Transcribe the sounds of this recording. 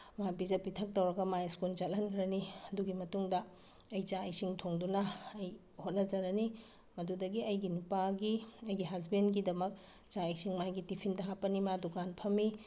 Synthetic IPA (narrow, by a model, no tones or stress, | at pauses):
mapid͡ʒɐpitʰɐk̚tɐwɾɐɡɐmajskult͡ʃɐt̚lɐnkʰɾɐniɐduɡimɐtuŋdɐː | jt͡ʃaɐjsiŋtʰoŋdunɐːj | hot̚nɐd͡ʒɐɾɐni | mɐdudɐɡiɐjɡinupaɡiɐjɡiɦazbenɡidɐmɐk̚ | t͡ʃaɐjsiŋmajɡitipʰindɐɦapːɐnimadukanpʰɐmi